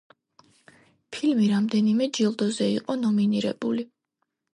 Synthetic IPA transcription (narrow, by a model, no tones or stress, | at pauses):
pʰilmiɾamd̪ɛnimɛd͡ʒilˠd̪ɔzɛiqʼɔnɔminiɾɛ̰b̥uli